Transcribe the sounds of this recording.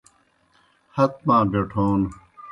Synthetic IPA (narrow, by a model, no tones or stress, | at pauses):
hɐt̪̚mãːbeʈʰoːn